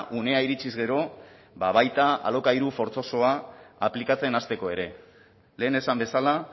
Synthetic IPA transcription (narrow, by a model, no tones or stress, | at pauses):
ʔune̞aiɾit͡ʃizɣe̞ɾo̞ | baβ̞ajt̪aa̰lo̞kaiɾufo̞ɾt͡so̞so̞aːplikat͡se̞nast̪e̞ko̞e̞ɾe̞ | le̞ːne̞sambe̞sala